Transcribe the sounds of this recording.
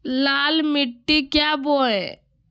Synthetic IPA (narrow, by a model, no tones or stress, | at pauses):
laːlmɪʈːiːkjaːboːɛ